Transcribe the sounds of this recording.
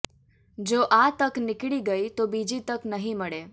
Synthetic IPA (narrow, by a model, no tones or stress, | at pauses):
d͡ʒoʔat̪əknɪkɭiɡəit̪obid͡ʒit̪əknəɦĩməɽe